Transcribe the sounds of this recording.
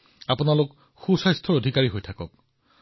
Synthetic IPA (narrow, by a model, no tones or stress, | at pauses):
apʊnalʊk | xusajstʰɔɹodʱikaɹiɦojtʰakɔ̰k̚